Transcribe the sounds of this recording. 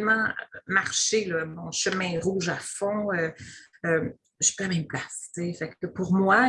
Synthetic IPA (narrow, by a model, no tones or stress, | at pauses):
mɑ̃maʁʃelɔmɔ̃ʃəmɛ̃ʁuːʒafɔ̃ø | ø | ʒə̥pøamɛmplast͡sefɛkːəpuʁmwa